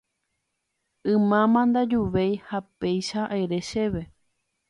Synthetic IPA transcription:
ɨ̃mãmãnd̪ad͡ʒuʋejhape̞jʃaʔaeɾe̞ʃe̞ʋe̞

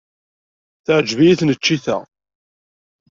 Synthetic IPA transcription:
θəʕd͡ʒvijiθnət͡ʃːiθæ̰

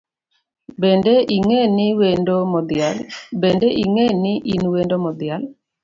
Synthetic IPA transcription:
bendeiŋenɪwendomɔd̪ɪalbendeʔiŋenɪʔinwendomɔd̪jal

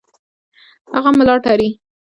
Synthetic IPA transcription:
haɣamɪlɑʈaɾi

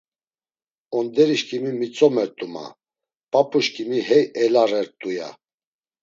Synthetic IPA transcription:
ɔnd̪ɛɾiʃkʼimimit͡sʼɔmɛɾt̪ʼuma̰ | pʼapʼuʃkʼimiɦɛjɛlarɛɾt̪ʼuja̰

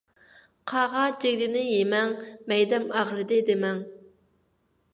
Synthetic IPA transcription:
qʰɑʁɑd͡ʒeɡʲd̪ɪnɪjemɛŋmɛjd̪ɛmæʁlˠɨd̪ɪd̪ɪmɛŋ

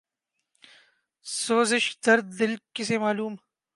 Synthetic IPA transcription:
soːzɪʃd̪̥ɐɾd̪ːɪlkɪsemaːluːm

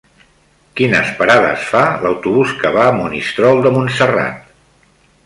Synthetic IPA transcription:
kinəspəɾaðə̰sfaləwt̪uβuskəβaːmunist̪ɾɔlˠd̪əmunsəra̰t̪̚

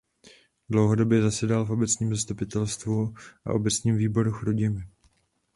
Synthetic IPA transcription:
dlo̞wɦo̞do̞bjɛzasɛdalfʔobɛt͡sɲiːmzast̪upɪt̪ɛlst̪vuʔa̰ʔo̞bɛt͡sɲiːmviːbo̞ɾuxɾoɟɪmɪ

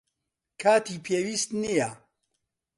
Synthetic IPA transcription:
kʰaːt̪ʰiːpʰeːwiːst̪nija

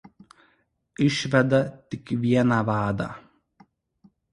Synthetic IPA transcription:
ɪʃʲʋʲɛd̪ɐt̪ʲɪkʋʲiɛnɑːʋɑːd̪ɑ̰ː

